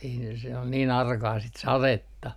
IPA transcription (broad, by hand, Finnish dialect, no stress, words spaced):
ei ne se ol niːn ɑrkɑː sit sɑretːɑ